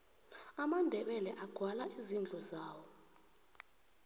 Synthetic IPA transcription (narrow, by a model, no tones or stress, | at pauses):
amandʱɛɓɛlɛʔaɡ̥ʱwalaʔizind͡ɮʱɔzaːwɔ